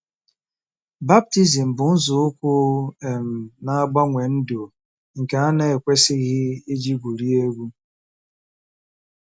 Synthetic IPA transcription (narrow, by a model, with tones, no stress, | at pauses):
ba˦b̚ti˦zi˨m̩˨bʊ˨n̩˦zʊ˨ʊ˦kʷʊ˦e˨m̩˨na˦a˦ɡ͡ba˦ŋʷe˨n̩˦do˨ | ŋ̩˨ke˨a˦ne˦e˨kʷe˦sɪ˦ɣɪ˦i˦d͡ʒi˦ɡʷu˨ɾi˦e˦ɡʷu˦